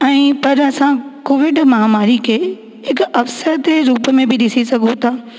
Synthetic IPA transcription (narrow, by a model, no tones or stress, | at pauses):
ɛ̃ːpɐɾɐsãkoːʋɪɖmɐɦamaːɾikʰeː | ɦɪkɐfsəɾt̪eɾuːpmẽbʱɪɗɪsisɐɡʱũt̪ʰaː